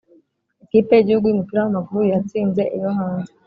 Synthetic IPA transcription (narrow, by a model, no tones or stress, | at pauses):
ikiːpe̞jiɟihuɡujumupiɾahamaɡuɾujjat͡siːnze̞ʔijoɦaːnze